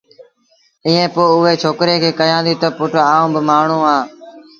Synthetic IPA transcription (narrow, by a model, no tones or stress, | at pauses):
iːẽːpoːʊɦeːt͡ʃʰoːkɾeːkʰeːkəjãːd̪iːt̪əpʊʈaːũːbɪmaːɳ̤ũːaː